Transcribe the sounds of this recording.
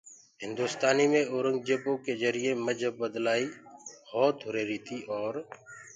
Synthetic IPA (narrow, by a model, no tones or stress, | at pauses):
ɦɪ̃nd̪uːst̪aːniːmẽːoːɾəŋɡd͡ʒepõːkeːzəɾɪjeːməd͡ʒʱəbbəd̪laːiːhɔːt̪ɦʊɾeːɾiːt̪ʰiːʔɔːɾ